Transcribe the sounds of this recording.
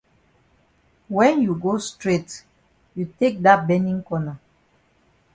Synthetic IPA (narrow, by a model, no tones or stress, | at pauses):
wɛ̃njuɡostɹet | jutek̚dat̚bɛ̃nĩŋkɔna